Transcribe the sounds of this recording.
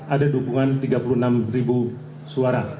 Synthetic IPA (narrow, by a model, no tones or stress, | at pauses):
adadukuŋant̪iɡapuluənamribu | suaɾa